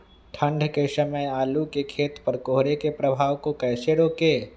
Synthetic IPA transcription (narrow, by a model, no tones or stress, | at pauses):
ʈʰə̃ɳɖʱkesəməjaːlukekʰeːt̪pəɾkoːɦɾekepɾəbʱaːʋkokɛːseɾoːkeː